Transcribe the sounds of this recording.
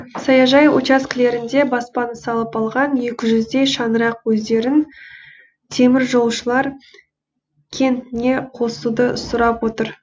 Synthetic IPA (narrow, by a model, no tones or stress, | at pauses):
sɑjɑʒɑjwo̰t͡ʃɑskʲɪle̞ɾɪnd̪e̞bɑspɑnəsɑlˠəpɑlˠʁɑnje̞kʲɪʒʏzd̪e̞jʃɑnəɾɑqwɵzd̪e̞ɾɪn | t̪ʰe̞mɪɾʒo̞lˠʃəlˠɑɾ | kʲʰe̞nt̪ɪne̞qʰo̞sud̪əsʊɾɑpwo̞t̪əɾ